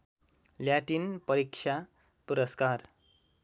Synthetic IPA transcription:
ljaʈinpʌɾikt͡ʃʰja | puɾʌskar

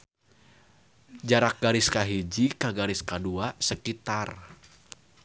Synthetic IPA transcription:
d͡ʒaɾak̚ɡaɾɪskaɦid͡ʒikaɡaɾɪskaduasəkit̪ar

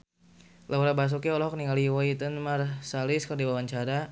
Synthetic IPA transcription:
lʔauɾabas̬ukiɔlɔɦɔk̚niŋaliwɔit̪ənmarsalɪskərdibawaɲt͡ʃaɾa

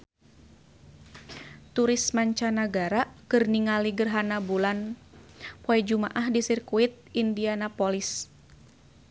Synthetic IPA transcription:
t̪uɾismaɲt͡ʃanaɡaɾakɨrniŋaliɡərɦanabulan | pɔɛd͡ʒuma̰ʔahdisirkuit̪̚indianapolis

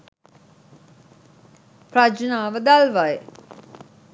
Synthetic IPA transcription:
prad͡ʒnaːʋəd̪alʋajə

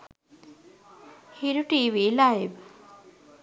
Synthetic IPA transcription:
hiɾuʈiʋilajʋ

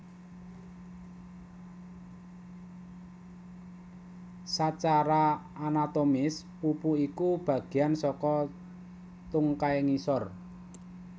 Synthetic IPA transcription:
sat͡ʃaɾaːnat̪omɪs | pupuikub̥ä̤ɡ̥e̤jansɔkɔ | t̪uŋkaeŋisɔr

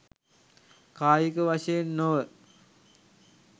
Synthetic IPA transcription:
kaːjikəʋaʂejenːoʋə

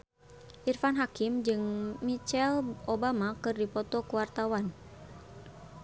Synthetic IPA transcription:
ʔirfanɦakimd͡ʒɨŋmit͡ʃɛlʔobamakɨrdipɔt̪ɔkuwart̪awan

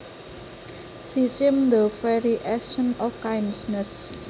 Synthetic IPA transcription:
sisɪmd̪əfɛɾiʔɛksənɔfkajnsnəs

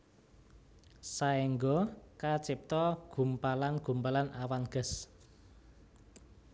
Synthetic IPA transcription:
saeŋɡɔkat͡ʃɪp̚t̪ɔɡ̥ṳmpalanɡ̥ṳmpalanawanɡ̥ə̤s

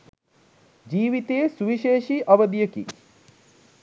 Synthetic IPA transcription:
d͡ʒiːʋit̪eːsuʋiʃeːʃiʔɐʋəd̪ijəkḭ

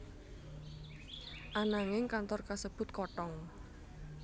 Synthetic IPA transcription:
ʔanaŋɪŋkant̪ɔrkasəb̥ʊ̤t̪̚kɔʈɔŋ

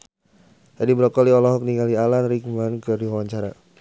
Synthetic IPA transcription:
d͡ʒadibəɾɔkɔliɔlɔɦɔk̚niŋalialanrikmankədiwawaɲt͡ʃaɾa

